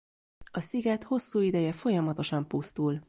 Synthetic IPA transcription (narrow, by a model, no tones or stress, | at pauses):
ɒsiɡɛt̪ho̞sːuːid̪ɛjɛfo̞jɒmɒt̪o̞ʃɒmpust̪ul